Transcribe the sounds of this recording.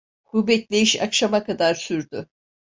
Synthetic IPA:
kʰubɛt̪lʲe̞jiʃa̰kʃamakʰad̪aɾsyɾd̪y

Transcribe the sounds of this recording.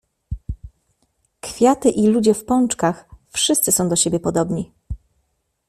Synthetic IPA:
kfʲjat̪ɘʔilud͡ʑɛfpɔnt͡ʂkaxfʂɘst̪sɘsɔ̃w̃d̪ɔɕebʲjɛpɔd̪ɔbɲi

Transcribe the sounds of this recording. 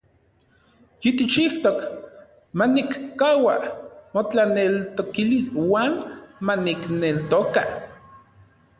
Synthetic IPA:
jit̪it͡ʃiht̪ok | manikːaːwa̰mot͡ɬanelt̪okiliswaːnmaniknelt̪oka

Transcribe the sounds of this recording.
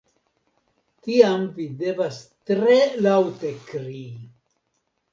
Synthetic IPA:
tiamvidevast̪ɾelawtekɾi

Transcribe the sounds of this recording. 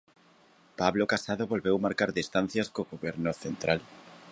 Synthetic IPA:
paβlokasaðʊβolβewmaɾkaɾðist̪an̟θjɐskoɣoβɛɾnoθent̪ɾal

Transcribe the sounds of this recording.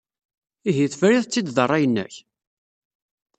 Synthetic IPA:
iɦiθfɾiðt͡sːid̪ðərˤːɑjənːæ̰ç

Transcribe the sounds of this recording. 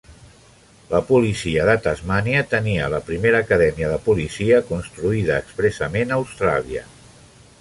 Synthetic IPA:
ləpulisiəðət̪əzmaniət̪əniə̰ləpɾimeɾəːkəðɛmiəðəpulisiəkunst̪ɾuiðəːkspɾɛsəmenəːwst̪ɾa̰liə̰

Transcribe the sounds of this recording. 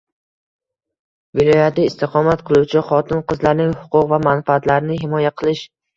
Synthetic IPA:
vɪlˠɒjat̪ʰɪːst̪ʰɪqʰɒmat̪qʰɨlˠuwt͡ʃʰɪχɒt̪ʰɪnqɨzlaɾnɪŋhʊqʊqvamanfaat̪laɾɪnɪɦɪmɒjaqʰɨlˠɪʃ

